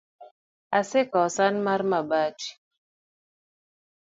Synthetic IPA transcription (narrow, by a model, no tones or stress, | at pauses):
asekaɔsanmaɾmabat͡ʃi̥